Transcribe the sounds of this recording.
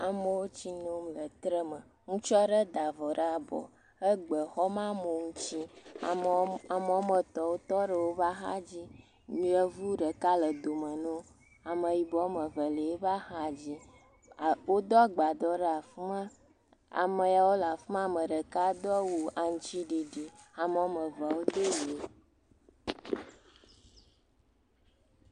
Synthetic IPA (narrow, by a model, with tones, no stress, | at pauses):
a˨mə˨wo˦t͡ɕi˦nõ˦mlə˨t̪ɾə˦mə˨ | ŋũ˦t͡ʃɔ˦ɖə˦d̪a˨vɔ˨ɖə˦a˨bɔ̰˨ | ə˦ɡ͡bə˨xɔ˦mã˦mo˨ŋũ˦t͡ɕi˦ | a˨mə˨wo˦mə˦˨t̪ɔ˨wo˦t̪ɔ˦ɖə˨wo˦va˦ɦa̰˦d͡ʑi˦ | ɲĩ˦ə˦vu˦ɖə˨ka˦lə˨d̪o˨mə˨nõ˦ | a˨mə˨ji˨bɔ˨˦mə˨və˨lə˨e˦va˦ha˦d͡ʑi˦˨ | wo˦d̪ɔ˦ɡ͡ba˨d̪ɔ˦ɖə˦a˨fmã˦ | a̰˨mə˨ja˨wo˦la˨fm˦a˦mə˨ɖə˨ka˦d̪ɔ˦wu˨a˨ŋ˦t͡ɕi˦ɖi˨ɖi˨a˨mə˨wo˦mə˨və˨wo˦d̪e˦je˨˦